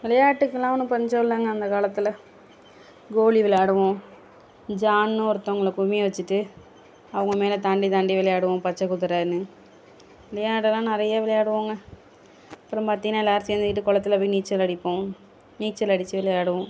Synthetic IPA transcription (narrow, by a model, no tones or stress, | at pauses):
ʋɪlɐjaːʈːɯkːɛlãːnɯ̃pɐɲd͡ʒolːaːŋɡɐːnd̪ɐkaːlɐt̪ːɪlɐ | ɡoːliʋɪljaːɽɯʋõ | d͡ʒaːnːɯ̃ɔɾɯt̪ːɐ̃ŋɡɐɭɐkʊmijɐʋɐt͡ʃːɯʈːɯ | ɐʋɐŋɡɐmeːlɐt̪ɐɳɖit̪ɐɳɖiʋɪlɐjaːɽɯʋõpɐt͡ʃːɐkːʊt̪ːɯɾɐnːɯ | ʋɪlɐjaːɽɛlːãːnɪɾɐjɐʋɪlɐjaːɽɯʋaːŋɡɐ | ɐpːɯɾɐ̃mpɐt̪ːinãːlːaːɾt̪iʋɐnd̪ɪkːɪʈːɯkɔɭɐt̪ːɯɪlɐpːiniːt͡ʃːɐlɐɽɪpːõː | niːk̚t͡ʃːɛlɐɽɪt͡ʃːɯʋɪlɐjaːɽɯʋõ